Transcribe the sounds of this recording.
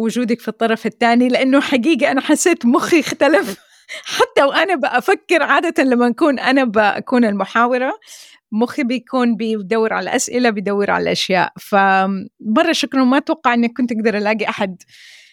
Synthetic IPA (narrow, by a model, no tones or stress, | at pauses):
wʊd͡ʒuːd̪akfit̪ˤːɑɾˤɑfɪt̪ːaːnilɪʔanːʊħaɡiːɡaʔanaħasːeːt̪mʊxiɪxt̪alɪf | ħat̪ːawʔanabɪʔafakːɪɾʕaːd̪at̪anlamːaʔakuːnʔanabɪʔa̰kuːnɪlmʊħaːwɑɾˤa | mʊxibɪjkʰuːnbɪd̪awːɪɾʕa̰lalʔa̰sʔɪlabɪjd̪awːɪɾʕa̰la̰lʔaʃja̰ːʔfamɑrˤːɑʃʊkɾʊmat̪wɑqːɑʕʔɪnːakːʊnt̪ʔaɡd̪ɑɾˤʔalaːɡiʔaħad̪